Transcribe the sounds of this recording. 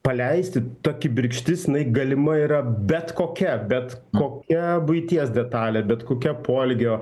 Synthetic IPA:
pɐlʲɛɪsʲt̪ʲɪt̪oːkʲɪbʲɪɾʲkʃʲt̪ʲɪsjɪnɐɪɡɐlʲɪmɐiːɾɐbʲɛt̪koːkʲɛbʲɛt̪koːkʲɛbʊɪt̪ʲiɛsd̪ʲɛt̪ɑːlʲeːbʲɛt̪koːkʲɛpʰoːlʲɡʲoː

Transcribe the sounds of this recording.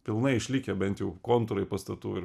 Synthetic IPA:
pʲɪlˠnɐɪɪʃʲlʲiːkʲɛbʲɛnt̪jɛʊkoːnt̪ʊɾɐɪpɐst̪ɐt̪uːɪ

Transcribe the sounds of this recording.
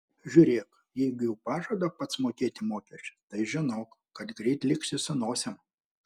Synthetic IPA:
ʒʲʊːɾʲeːk | jɛɪɡʊjɛʊpɑːʒoːd̪ɐpɐt̪smoːkʲeːt̪ʲɪmoːkʲɛsʲt͡ʃʲɛt̪ɐɪʒʲɪnoːkkɐt̪ɡɾʲɛɪt̪ʲlʲɪksʲɪsɐnoːsʲɛm

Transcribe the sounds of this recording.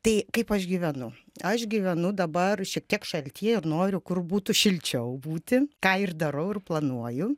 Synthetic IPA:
t̪ɐɪkɐɪpɐʃɡʲiʋʲɛnʊ | ɐʃɡʲiʋʲɛnʊd̪ɐbɐrʃʲiɛk̚t̪ʲiɛkʃɐlʲt̪ʲiɛɪrnoːɾʲʊkʊrbuːt̪ʊʃʲɪlʲt͡ʃʲɛʊbuːt̪ʲɪkɑːɪrd̪ɐɾɐʊɪrplˠɐnuɔjʊ

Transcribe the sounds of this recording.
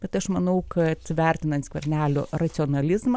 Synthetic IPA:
b̥ʲɛt̪ɐʃmɐnɐʊkʰɐt̪ʋʲæˑɾʲt̪ʲɪnɐnt̪skʋʲɛɾʲnʲæːlʲo̰ːrɐt̪sʲɪɔːnɐlʲɪzmɐ

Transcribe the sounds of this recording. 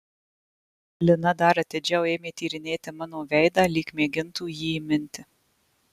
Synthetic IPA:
lʲɪnɐd̪ɐɾɐt̪ʲed͡ʒʲɛʊeːmʲeːt̪ʲiːɾʲɪnʲeːt̪ʲɪmɑːnoːʋʲɛɪd̪ɑːlʲiːkmʲeːɡʲɪnt̪uːjiːɪmʲɪnʲt̪ʲɪ

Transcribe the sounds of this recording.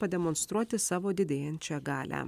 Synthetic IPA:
pɐd̪ʲɛmoːnst̪ɾuɔt̪ʲɪsɑːʋoːd̪ʲɪd̪ʲeːjɛnʲt͡ʃʲɛɡɑːlʲæ̰

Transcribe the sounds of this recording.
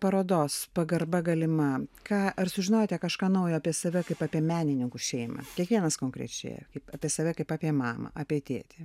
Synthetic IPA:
pɐɾoːd̪oːspɐɡɐrbɐɡɐlʲɪmɐkɑːʔɐrsʊʒʲɪnoːjt̪ʲjɛkɐʃkɑːnɐʊjoɐpʲiɛsɐʋʲɛkɐɪpaːpʲiɛmʲæːnʲɪnʲɪŋkuʃʲɛɪmɐ̰kʲiɛkʋʲiɛnɐskoːŋkɾʲɛ̰t͡ʃʲḛːjɛ̰kɐɪpaːpʲiɛsɐʋʲɛkɐɪpaːpʲiɛmɑːmɐ̰ʔɑːpʲiɛt̪ʲḛːt̪ʲɪ

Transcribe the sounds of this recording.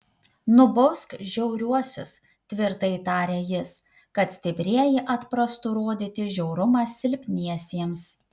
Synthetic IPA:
nʊbɔskʒʲɛʊɾʲuɔsʲʊs | t̪ʲʋʲɪɾt̪ɐɪt̪ɑːɾʲeːjɪs | kɐt̪sʲt̪ʲɪbʲɾʲiɛjɪʔɐt̪pɾɐst̪ʊɾoːd̪ʲɪːt̪ʲɪʒʲɛʊɾʊmɑsʲɪlʲpʲnʲiɛsʲiɛms

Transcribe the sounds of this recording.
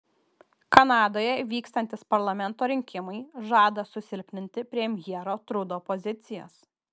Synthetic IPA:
kɐnɑːd̪oːjɛʋʲiːkst̪ɐnʲt̪ʲɪspɐɾlˠɐmʲɛnt̪oːɾʲɪŋʲkʲɪmɐɪʒɑːd̪ɐsʊsʲɪlʲpʲnʲɪnʲt̪ʲɪpʲɾʲiɛmʲjiɛɾoːt̪ɾʊd̪oːpɔzʲɪt̪sʲɪjɛ̰s

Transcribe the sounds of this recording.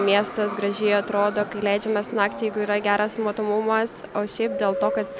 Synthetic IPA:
mʲiɛst̪ɐsɡɾɐʒʲɪɪɐt̪ɾoːd̪oːkɐɪlʲɛɪd͡ʒʲɛmɐsnɑːkt̪ʲɪjɛɪɡʊiːɾɐɡʲæːɾɐsmoːt̪oːmʊmɐsoːʃʲɛɪp̚d̪ʲeːlˠt̪oːkɐt̪

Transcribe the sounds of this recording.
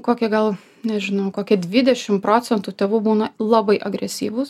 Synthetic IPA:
koːkʲɛɡɐlˠ | nʲɛʒʲɪnɐʊkoːkʲɪd̪ʲʋʲɪd̪ʲɛʃʲɪmpɾoːt͡s̪ʲɛnt̪uːt̪ʲeːʋuːbuːnɐlˠɑbɐɪʔɐɡɾʲɛsʲiːʋʊs

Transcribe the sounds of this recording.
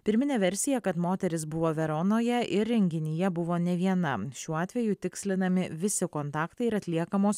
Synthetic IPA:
pʲɪɾʲmʲɪnʲɛːʋʲɛɾʲsʲɪjɛkɐt̪moːt̪ʲɛɾʲɪsbʊʋoːʋʲɛɾoːnoːjɛʔɪɾʲɾʲɛŋʲɡʲɪnʲɪjɛbʊʋoːnʲɛʋʲiɛnɐʃʲuːɑːt̪ʲʋʲɛjut̪ʲɪksʲlʲɪnɐmʲɪʋʲɪsʲɪkoːnt̪ɑːkt̪ɐɪɪɾɐt̪ʲlʲiɛkɐmoːs

